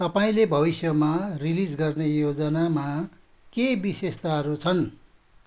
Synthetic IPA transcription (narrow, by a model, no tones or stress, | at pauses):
t̪ʌpaĩlebʱʌβisjʌmarilid͡zɡʌrnejod͡zʌnama | kebisest̪aɦʌɾut͡sʰʌn